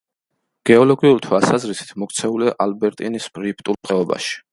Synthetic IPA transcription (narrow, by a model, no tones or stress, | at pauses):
ɡ̥ɛɔlɔɡiuɾt̪ʰwalsazɾisi̥t̪ʰmɔk̚t̪sʰɛuliaʔalbɛɾt̪ʼinispʼɾip̚ʰt̪ʼulˠpqʼɛɔba̰ʃi̥